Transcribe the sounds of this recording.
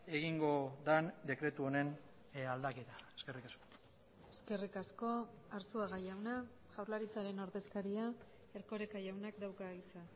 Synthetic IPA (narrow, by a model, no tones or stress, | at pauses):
e̞ɣiŋɡo̞d̪and̪e̞kɾe̞t̪uone̞n | ald̪ake̞t̪aeske̞rikasko̥ | e̞ske̞rikasko̞ | aɾt͡suaɣajawna | ʝawɾlaɾit͡saɾe̞no̞ɾðe̞skaɾia | e̞ɾko̞ɾekaʝawnakd̪awkaɣisa